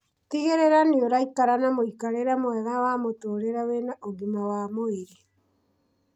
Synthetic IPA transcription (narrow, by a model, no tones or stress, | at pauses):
tiɣeɾeɾanioɾaikaɾanamoikaɾeɾamwɛðawamotoːɾeɾawenaʔoɣimawamoeɾe